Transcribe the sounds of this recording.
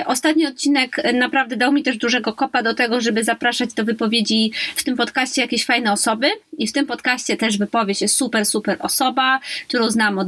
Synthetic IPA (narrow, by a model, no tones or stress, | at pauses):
ʔɔst̪at̪̚ɲiɔt̪̚t͡ɕinɛknapɾavd̪ɛd̪awmʲit̪ɛʐd̪uʐɛɡɔkɔpad̪ɔt̪ɛɡɔʐɛbɘzapɾaʂad͡ʑd̪ɔvɘpɔvʲjed͡ʑift̪ɘmpɔt̪kaɕt͡ɕɛjakʲeɕfajnɛɔsɔbɘift̪ɘmpɔt̪kaɕt͡ɕɛt̪ɛʐvɘpɔvʲjet͡ɕjɛst̪supɛɾsupɛɾɔsɔbak̚t̪uɾɔ̃w̃znamɔ